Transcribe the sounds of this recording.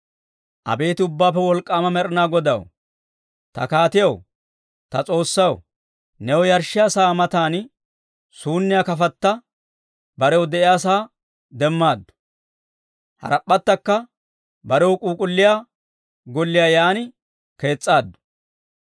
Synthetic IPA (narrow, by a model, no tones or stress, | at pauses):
ʔɐ̰be̞ːt̪ɪʊbːaːpːɛwɔlkʼːaːmɐmɛɾɪnaːɡɔd̪ɐ̰w | t̪ɐ̰kaːt̪ɪjɐw | t̪ɐt͡sʼo̞ːsːɐw | nɛwɔjɐɾʃːɪjaːsaːmɐt̪aːn | suːnːɪjaːkɐfɐt̪ːɐ | bɐɾɛwɔd̪ɛʔɪjaːs̬aː | d̪ɛmːaːd̪ːʊ̥ | hɐ̰ɾɐpʼːɐt̪ːɐkːɐ | bɐɾɛwkʼuːkʼʊlːɪjaː | ɡɔlːɪjaːjaːnɪ | ke̞ːt͡sʼːaːd̪ːʊ̥